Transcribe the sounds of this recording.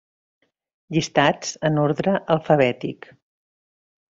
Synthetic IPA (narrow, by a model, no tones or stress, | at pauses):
ʎist̪ad͡zənoɾðɾəʔəlˠfəβɛt̪ik